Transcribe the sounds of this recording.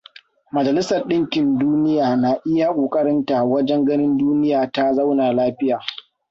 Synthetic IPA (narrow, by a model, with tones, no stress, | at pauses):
mɐ˨d͡ʒɐ˨lɪ˦sɐ˨rɗɪ˦ŋkʲɪ˨nduː˦nɪ˦jaː˨na˨ʔɪ˦ja˦˨kʷʼoː˨kʼɐ˦ɽɪ˦nta˨wɐ˦d͡ʒɛ˦ŋɡɐ˦nɪ˦nduː˦nɪ˦jaː˨ta˦zɐ˦wna˨laː˦ɸɪ˦jaː˨